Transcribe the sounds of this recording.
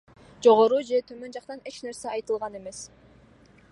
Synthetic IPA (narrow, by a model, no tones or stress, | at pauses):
d͡ʒo̞ʁo̞ɾud͡ʒe̞t̪ʰømø̞nd͡ʒɑqt̪ɑne̞t͡ʃneɾseɑjt̪ɯlˠʁɑne̞me̞s